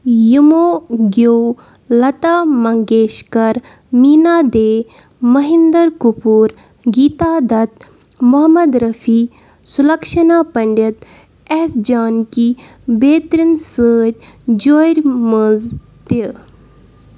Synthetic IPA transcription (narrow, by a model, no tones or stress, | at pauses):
jumoːɡo | lɐt̪aːmɐŋɡeːʃkɐɾ | miːnaːd̪eː | mɐɦind̪ɐɾkupuːɾ | ɡiːt̪aːd̪ɐt̪̚ | mɔɦɐmɐd̪ɾɐfiː | sulɐkʃɐnaːpɐɳɖit̪ | ɛːsd͡ʒaːnkibeːt̪ɾinsəːt̪ʲd͡ʒoːjɾməz | t̪e